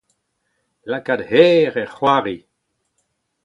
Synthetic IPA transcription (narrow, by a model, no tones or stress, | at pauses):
lakad̪hɛːʁɛʁχwaːʁi